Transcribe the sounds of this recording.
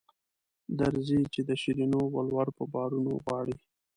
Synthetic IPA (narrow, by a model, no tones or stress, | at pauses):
d̪aɾzit͡ʃed̪əʃiɾinowalwaɾpəbɑɾuno̰ɣwɑɽi